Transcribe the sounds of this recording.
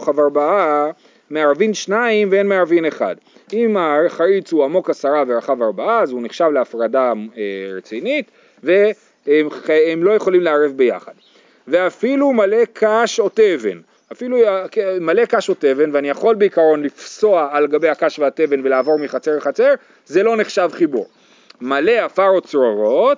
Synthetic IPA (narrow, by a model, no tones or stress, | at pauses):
χavaʁbaa | meaʁvinʃnaimveenmeaʁvine̞χa̰d | imaχaɾit͡suamo̞kasaʁaveʁaχavaʁbaaːzuniχʃavleafʁadaeʁet͡sinit | ve | emlo̞je̞χo̞limleaʁevbe̞ja̰χad | ve̞afilumale̞kʰaʃote̞ve̞̰n | afilukmale̞kaʃo̞te̞ve̞nveanijaχo̞lbeikaʁo̞nlifso̞aːlɡabe̞jakaʃveate̞ve̞nve̞laaːvo̞ʁmiχat͡seʁeχat͡se̞ʁ | ze̞lo̞neχʃavχibṵʁ | male̞afaʁo̞t͡sʁoʁo̞t